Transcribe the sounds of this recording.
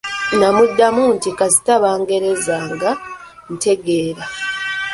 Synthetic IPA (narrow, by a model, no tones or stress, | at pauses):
namudːamuːntikazitaβaːŋɡe̞ɾe̞zaːŋɡan̩te̞ɡe̞ːɾa